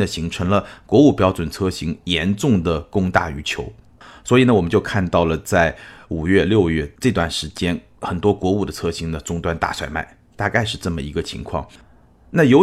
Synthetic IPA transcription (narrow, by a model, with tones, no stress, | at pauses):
ə˧˨ɕi˧˥ŋʈ͡ʂʰɤ˧˥ŋlə˧kwɔ˧˥u˥˩pjɑ˥ʊʈ͡ʂwə˨˩nt͡sʰɤ˥ɕi˧˥ŋjɛ˧˥nʈ͡ʂʊ˥˩ŋd̪ə˩kʊ˥ŋt̪a̰˥˩y˧˥t͡ɕʰjo˧˥ʊ | swɔ˧˥i˨˩nə˦wɔ˨˩mə˦t͡ɕjo˥˧ʊkʰa˥˧nt̪ɑ˥˩ʊlə˩t͡sa˥˩ɪu˨˩ɥɛ˥˧ljo˥˧ʊɥɛ˥˩ʈ͡ʂɤ˥˧t̪̬wa˥˩nʂɻ̩˧˥t͡ɕjɛ˥n | xə˨˩nt̪wɔ˥kwɔ˧˥u˨˩d̪ə˦t͡sʰɤ˥ɕi˧˥ŋnə˨ʈ͡ʂʊ˥ŋt̪wa˥nt̪a̰˥˩swa˥˩ɪma̰˥˩ɪ | t̪a˥˧ka˥˧ɪʂ̬ɻ̩˥˧ʈ͡ʂɤ˥˩mə˩i˧˥ɡə˧t͡ɕʰḭ˧˥ŋkʰwɑ̰˥˩ŋ | na˥˩jo˧˥ʊ